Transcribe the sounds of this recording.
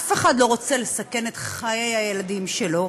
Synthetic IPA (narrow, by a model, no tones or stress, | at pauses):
afe̞χadlo̞ʁo̞t͡sele̞sake̞net̪χajejhajeladimʃelo̞